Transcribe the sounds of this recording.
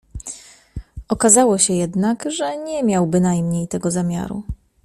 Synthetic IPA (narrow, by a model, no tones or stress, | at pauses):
ɔkazawɔɕɛjɛd̪nakʐɛɲɛmʲjawbɘnajmɲejt̪ɛɡɔzamʲja̰ɾṵ